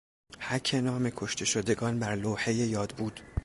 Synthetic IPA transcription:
hæcʰenɒːme̞kʰo̞ʃt̪ʰe̞ʃod̪e̞ɡɒːnbæɾloːhe̞jejɒːd̪buːd̪̥

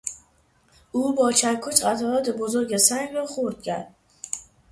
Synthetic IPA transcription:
ʊbɒt͡ʃʰaɾkʰʊt͡ʃat̪ʰɒat̪ɪbozʊɾɡʲasaŋvaχoɾt̪̚ɡʲan

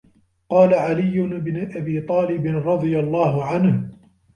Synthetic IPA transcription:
qɑːlaʕalɪjːʊnbnɪʔabiːt̪ˤɑːlɪbɪnɾˤɑd̪ˤɨjalˤːɑːhʊʕanh

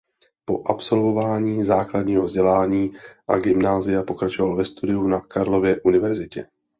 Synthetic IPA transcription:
po̞ʔapso̞lvo̞vaːɲiːzaːkladɲiːɦovzɟɛlaːɲiːʔa̰ɡɪmnaːzɪjapo̞kɾat͡ʃo̞valvɛst̪udɪjunakaɾlo̞vjɛʔunɪvɛɾzɪcɛ

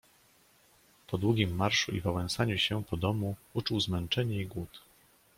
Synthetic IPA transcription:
pɔd̪wuɡʲimːaɾʂuḭvawɛñsaɲuɕɛpɔd̪ɔmuut͡ʂuwzmɛnt͡ʂɛɲɛiɡwut̪

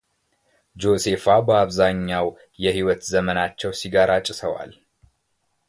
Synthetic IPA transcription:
d͡ʒo̞se̞fabəaβzaɲːaw | jɛhiwət̪zəmənat͡ʃːɛwsiɡaɾat͡ʃʼːɪsəwa̰l

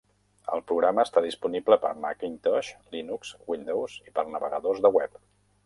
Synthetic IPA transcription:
ə̰lˠpɾuɣɾaməːst̪aðispunibləpə̰ɾmakint̪ɔʃlinukz̥wind̪owz̥ipərnəβə̰ɣəðozðəwɛp

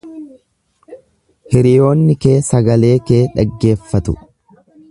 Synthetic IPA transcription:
hɪɾɪjo̞ːnːɪke̞ːsɐɡɐle̞ːke̞ːᶑɐɡːe̞ːfːɐt̪ʊ

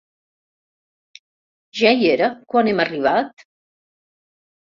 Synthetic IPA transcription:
ʒajeɾəkwanɛmariβ̞at̪

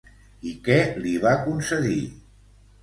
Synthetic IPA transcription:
ikɛliβakunsəði

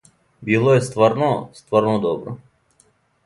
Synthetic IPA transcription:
bʲɪlˠojst̪vɐrnost̪vɐrnod̪ɔbɾə̰

